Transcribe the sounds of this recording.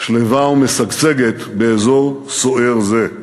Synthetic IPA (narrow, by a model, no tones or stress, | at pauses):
ʃlevaumesaɡt͡se̞ɡet̪beezo̞ʁ | soeʁze